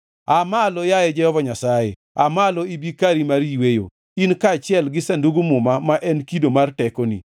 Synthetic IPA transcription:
amalɔjajɛd͡ʒɛhɔvaɲasajḛ | amalɔibikaɾimaɾiwejo̰ | inkat͡ʃɪɛlɡɪsanduɡumʊmamaʔɛnkidomartɛkonḭ

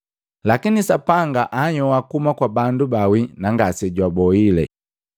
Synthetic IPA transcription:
lakinisapaŋɡaʔaɲɔwakumakwabandubawinaŋɡasɛɟwabɔilɛ̰

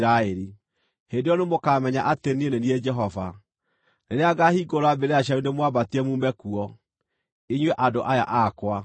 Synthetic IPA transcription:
ɾaeɾi | hendejɔnemokamɛɲaʔatenienenied͡ʒɛɦɔva | neneaɡahiɡoɾoabeɾeaɕ̬aundemwabatiɛmumɛkuɔ | eɲweʔadoʔaja̰ʔakwa

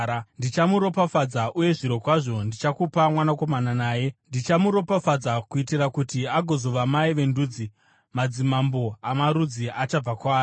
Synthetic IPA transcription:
ndit͡ʃamuɾo̞pafad͡zaʔuje̞ʐiɾo̞kwaʐo̞ndit͡ʃakupamwanako̞mananaːje̞ndit͡ʃamuɾo̞pafad͡zakuitirakutiaɡʱo̞zo̞ʋamaiʋe̞nduːd͡zi | mad͡zimambo̞amaɾud͡ziat͡ʃab͡vakwaːjo

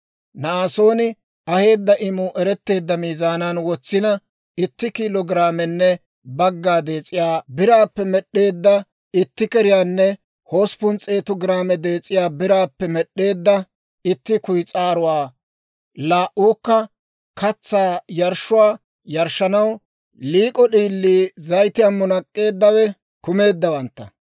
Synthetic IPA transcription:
naːso̞ːnɪ | ɐhe̞ːd̪ːɐʔɪmʊʔɛɾɛt̪ːe̞ːd̪ːɐmiːzaːnanwɔt͡sːɪnɐ | ɪt̪ːɪkiːlɔɡɪɾaːmɛnːɛ | bɐɡːaːd̪e̞ːt͡sʼːɪjaːbɪɾaːpːɛmɛɗːe̞ːd̪ːɐ | ɪt̪ːɪkɛɾɪjaːnːɛ | ho̞ːspʊnt͡sʼe̞ːt̪ʊɡɪɾaːmɛd̪e̞ːt͡sʼːɪjaːbɪɾaːpːɛmɛɗːe̞ːd̪ːɐ | ɪt̪ːɪkʊjt͡sʼaːɾʊwaː | laːʔuːkːɐ | kɐt͡sːaːjɐɾʃʊwaː | jɐɾʃːɐnɐw | liːkʼɔɗiːlːiːzɐjt̪ɪjɐmːʊnɐkʼːe̞ːd̪ːɐwɛ | kʊme̞ːd̪ːɐwɐnt̪ːɐ

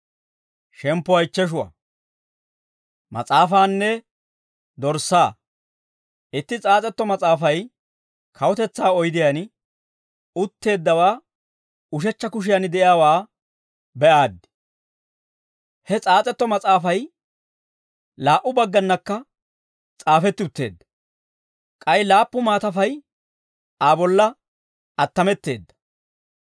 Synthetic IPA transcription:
ʃɛmpːɔɐjt͡ʃːɛʃ̬ʊwɐ̰ | mɐ̰t͡sʼaːfaːnːɛ | d̪ɔɾsːaː | ʔɪt̪ːɪt͡sʼaːt͡sʼɛt̪ːɔmɐt͡sʼaːfɐj | kʰɐwɔt̪ɛt͡sːaːɔjd̪ɪjɐn | ʊt̪ːe̞ːd̪ːɐwaː | ʊʃɛt͡ʃːɐkʊʃ̬ɪjanɪd̪ɛjaːwaː | bɛʔaːd̪ːɪ̥ | hɛt͡sʼaːt͡sʼɛt̪ːɔmɐt͡sʼaːfɐj | laːʔʊbɐɡːɐnːɐkːɐ | t͡sʼaːfɛt̪ːɪʊt̪ːe̞̰ːd̪ːɐ | kʼɐjlaːpːʊmaːt̪ɐfɐj | aːbɔlːɐ | ɐt̪ːɐmɛt̪ːe̞̰ːd̪ːɐ̥

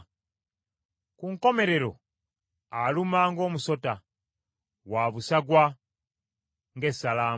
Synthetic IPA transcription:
kuŋko̞me̞ɾe̞ɾo̞ | alumaŋɡo̞ːmuso̞ta | waβusaɡwa | ŋɡe̞sːalaː

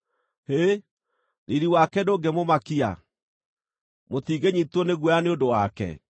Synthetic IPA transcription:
he | niɾiwakɛdoːɡemomakia̰ | mot̪iːɡeɲitwɔneɣwɛaneondowakɛ̰

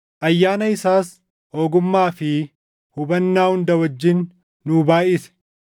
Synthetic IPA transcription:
ʔɐjːaːnɐɪsaːs | o̞ːɡʊmːaːfɪ | hʊbɐnːaːhʊnd̪ɐwɐd͡ʒːɪnː | ʊbaːʔɪsɛ̥

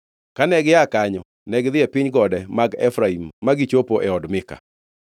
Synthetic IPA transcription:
kanɛɡɪjakaɲɔ | nɛɡɪðɪɛpɪɲɡɔdɛmaɡɛfɾaimːaɡit͡ʃopoʔɛɔdmɪka̰

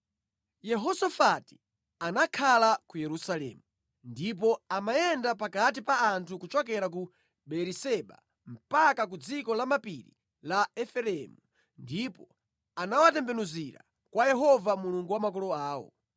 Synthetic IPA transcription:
jɛɦɔsafati̥ | anakʰalakujɛɾusalɛ̰mu | ndip̬ɔamajɛndapakat̬ipaːntʰukut͡ʃɔk̬ɛɾak̬u | ɓɛɾisɛɓa̰ | m̩pakak̬ud͡zikɔlamapiɾḭ | laɛfɛlɛmu | ndipɔ | anawatɛmbɛnuziɾa̰ | kwajɛɦɔvamuluŋɡuwamakɔlɔaːwɔ̰

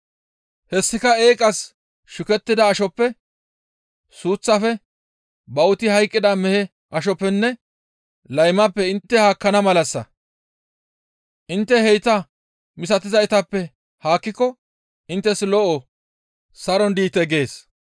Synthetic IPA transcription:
hɛsːɪkɐeːkʼɐs | ʃʊkɛt̪ːɪd̪ɐːʃɔpːɛ | suːt͡sːɐfɛ | bɐwʊt̪ɪhɐjkʼːɪd̪ɐmɛhɛ | ʔɐʃ̬ɔpːɛnːɛ | lɐjmɐpːɛɪnt̪ːɛhaːkːɐnɐmɐlɐsːɐ̰ | ʔɪnt̪ːɛhɛjt̪ɐ | mɪsɐt̪ɪzɐɪt̪ɐpːɛ | haːkːɪkːɔ | ɪnt̪ːɛslɔʔɔ | sɐɾɔnd̪iːt̪ɛɡe̞ːs

